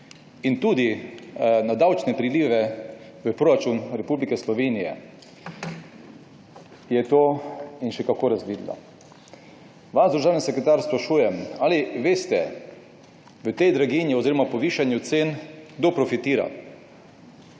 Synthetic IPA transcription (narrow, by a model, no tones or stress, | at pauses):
int̪uːd̪i | nad̪awt͡ʃnɛpɾiliːʋɛʋəpɾoːɾat͡ʃunɾɛpublikɛslɔʋeːnijɛ̰ | jɛt̪oːinʃɛkakoːɾazʋiːd̪la̰ | ʋaʒd̪ɾʒaːwnisɛkɾɛt̪aɾspɾaʃuːjɛmaːliʋeːst̪ɛ | ʋət̪ɛjd̪ɾaɡinjiɔziːɾɔmapɔʋiːʃanjut̪seːnɡ̥d̪opɾɔfit̪iːɾa̰